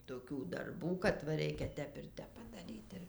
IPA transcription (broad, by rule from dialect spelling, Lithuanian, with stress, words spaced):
toːˈkʲuː dɐrˈbuː kɐt ʋɐ ˈrʲɛɪkʲɛ ˈtʲɛp ɪr ˈtʲɛp pɐdɐˈrʲiːt ˈɪr